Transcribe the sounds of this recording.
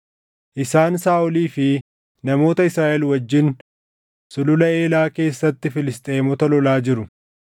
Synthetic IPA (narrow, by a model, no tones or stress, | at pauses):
ʔɪsaːnsaːʔʊliːfɪ | nɐmo̞ːt̪ɐɪsɾaːʔɛlwɐd͡ʒːɪn | sʊlʊlɐe̞ːlaːke̞ːsːɐt̪ːɪfɪlɪst̪ʼe̞ːmɔt̪ɐlɔlaːd͡ʒɪɾʊ